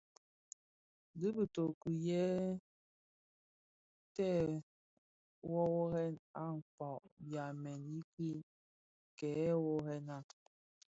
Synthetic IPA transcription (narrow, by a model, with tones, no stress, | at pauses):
di˦bi˨to˨ki˨jɛ˦ | tɛ˦ | wɔ˦wɔ˦ɣɛ˦na˦ŋ̩˨fɔ˨ʔbja˨mɛ˨ni˦ki˦ | kɛ˨˦wo˦hɛ˦na˦